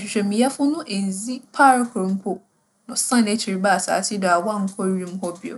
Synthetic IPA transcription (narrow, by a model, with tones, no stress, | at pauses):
ɕᶣɪ˨ɕᶣɛ˨mĩ˨ja˦fʊ̃˦nʊ̃˦ʔe˨n˨zi˦pʰa˦ɾkʰʊ˨ɾm̩˦kʰo˦ | nʊ̃˨sã˦˨ne˦tʰɾi˨ba˦˨sa̰ː˨tʰɪ˦dɔ˨a˨wa˦˨ŋ̩˦kʰɔ˦ɥĩ˦m˦ɦɔ˦bɪ˨o̰˨